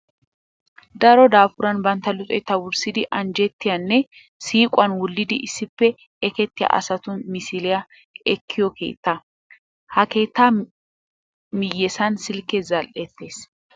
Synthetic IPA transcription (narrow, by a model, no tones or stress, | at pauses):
d̪ɐɾɔd̪aːfʊɾɐnbɐnt̪ːɐlʊt͡sʼɔjt̪ːɐwʊɾsɪd̪ɪʔɐnd͡ʒɛt̪ːɪjɐnːɛ | siːkʼʊɐnwʊlːɪd̪ɪʔɪsːɪpːɛ | ɛkɛt̪ːɪja̰ʔɐ̰sɐt̪ʊmɪsɪlɛjɐ | ɛkʰːɪjɔke̞̰ːt̪ːɐ | hɐke̞ːt̪ːaː | mɪjːɛsɐnsɪlkːɛzɐlʔɛt̪ːe̞ːs